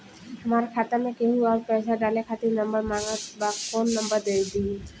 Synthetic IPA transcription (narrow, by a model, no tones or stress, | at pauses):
amaɹkʰat̪amɛkeɦũaɹpɛsadalɛkʰat̪inɔmbəɹmaŋatbakɔnːɔmbəɹd̪eɹd̪i